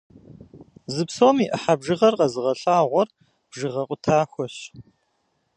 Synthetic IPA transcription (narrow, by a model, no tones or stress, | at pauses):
zɨpsoːmiːʔəħabʒɨʁɐrqɐzɨʁɐɬʼaːʁʷɔr | b̥ʒɨʁɐqʷʼʊtʰaːxʷɔɕ